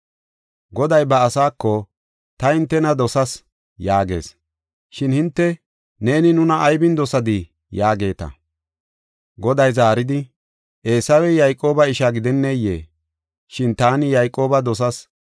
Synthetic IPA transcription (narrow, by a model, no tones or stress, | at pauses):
ɡɔd̪ɐjbɐːsaːkːɔ | t̪ɐhɪnt̪ːɛnɐd̪ɔsɐs | jaːɡe̞̰ːs | ʃɪnhɪnt̪ːɛ | ne̞ːnɪnʊnɐʔːjbɪnd̪ɔsɐd̪ɪ | jaːɡe̞ːt̪ɐ̰ | ɡɔd̪ɐjzaːɾɪd̪ɪ | ʔe̞ːsɐwɛjɐjkʼo̞ːbɐɪʃaɡɪd̪ɛnːɛjḛː | ʃɪnt̪aːnɪjɐjkʼːo̞ːbɐd̪ɔs̬ɐs